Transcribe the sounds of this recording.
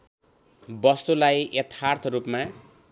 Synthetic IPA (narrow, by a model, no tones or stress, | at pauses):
bʌst̪ulajet̪ʰːart̪ʰrupma